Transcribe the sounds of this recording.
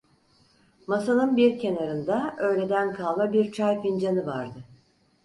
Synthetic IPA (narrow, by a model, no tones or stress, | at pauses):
masanˠɯnbiɾcʰe̞naɾɯnd̪aø̞jlʲe̞d̪ænkʰalˠmabiɾt͡ʃʰaɾkind͡ʒanɯvaɾd̪ɯ